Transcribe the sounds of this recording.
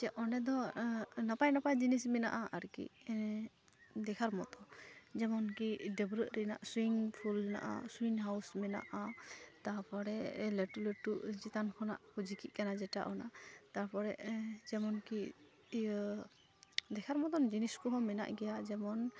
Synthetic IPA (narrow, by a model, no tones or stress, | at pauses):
t͡ʃɛʔɔnɛd̪ɔnapajnapajd͡ʒinismɛna̰ʔaʔaɾkḭ | d̪ɛkʰaɾmɔt̪ɔd͡ʒɛmɔnkiɖɛbɾət̪̚ɾɛna̰ʔsɾiŋpʰulna̰ʔa̰swiŋɦawsmɛna̰ʔat̪apɔɾɛʔleʈuleʈuʔt͡ʃit̪ankʰɔna̰ʔkud͡ʒikiʔkanad͡ʒɛʈa̰ʔɔnat̪aɾpɔɾɛ̰ʔd͡ʒɛmɔnki | d̪ɛkʰaɾmɔt̪ɔnd͡ʒiniskɔɦɔmɛna̰ʔɡɛjad͡ʒɛmɔn